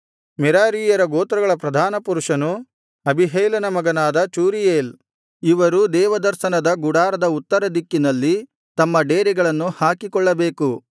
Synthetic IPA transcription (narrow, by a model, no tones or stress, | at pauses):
mɛɾaːɾiːjɐɾɐɡoːt̪ɾɐɡɐɭɐpɾɐd̪ʱaːnɐpuɾuʂɐnu | ɐbʱiɦɐjlɐnɐmɐɡɐnaːd̪ɐt͡ʃuːɾijeːl | iʋɐɾud̪ɛːʋɐd̪ɐɾʃɐnɐd̪ɐɡuɽaːɾɐd̪ɐut̪ːɐɾɐd̪ikːinɐlːi | t̪ɐmːɐɖeːɾiɡɐɭɐnːuhaːkikɔɭːɐbeːku